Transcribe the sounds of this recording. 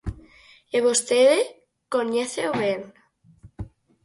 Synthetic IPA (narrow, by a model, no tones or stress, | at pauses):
eβost̪eðe | koɲeθeoβen